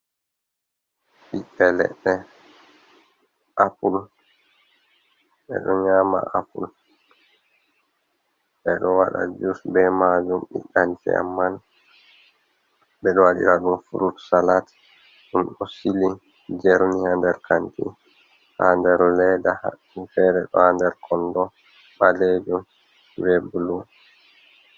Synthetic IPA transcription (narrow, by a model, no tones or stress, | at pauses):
ɓiʔɛlɛ̰ɗːɛ | ʔapul | ɓɛ̰ɗɔɲaːma̰apṵl | ɓɛɗɔwaɗa̰d͡ʒusbɛmad͡ʒumɗḭɗantɛ̰a̰mːan | bɛɗɔwaɗḭɾaɗumfuɾutsalat | ɗumɗɔsili | d͡ʒɛɾnihandɛɾkʰantḭ | handɛɾlɛdaha̰ | ifɛɾɛɗɔhandɛɾkʰɔndɔ | ɓaled͡ʒum | wɛbulun